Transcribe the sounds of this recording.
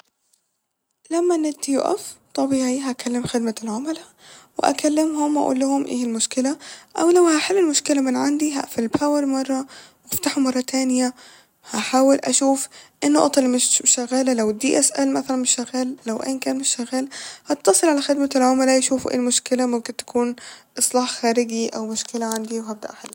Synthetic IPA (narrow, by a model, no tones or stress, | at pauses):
lamːanɪt̪ːijuʔa̰ft̪ˤɑbiʕiːɦakalːɪmxɪd̪malʕʊmala | wɪ̰ʔa̰kalːɪmɦʊmwʔa̰ʔṵːlːʊhʊmʔḛːɪlmʊʃkɪlaʔawlawhaħɪlːɪlmʊʃkɪlamɪnʕand̪iɦa̰ʔfɪlpaːwaɾmɑrˤːɑwʔaft̪aħʊmːɑrˤːɑt̪ʰaːnɪja | haħaːwɪlʔaʃuːfʔɪnːʊʔɑt̪ˤɑlmɪʃʃaɣaːlalawd̪ḭːʔasʔalmaθalanmɪʃːaɣaːlːawʔḛːnkæːnmɪʃːaɣːaːlhɑt̪ːɑsˤɨlʕalaxɪd̪malʕʊmalajaʃuːfuʔḛːlmʊʃkɪlamʊmkɪnt̪ḁkʰuːnʔɨsˤlɑːħxaːɾɪɡiʔawmʊʃkɪlaʕand̪iwɦab̚d̪a̰ʔħɪ̰lː